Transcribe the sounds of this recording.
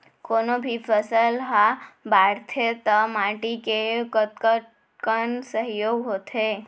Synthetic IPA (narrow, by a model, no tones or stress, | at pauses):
konobʱifʰəsəlɦabaɾt̪ʰet̪əmaʈikekət̪kəʈ | kəɳsəɦjoɡɦot̪ʰe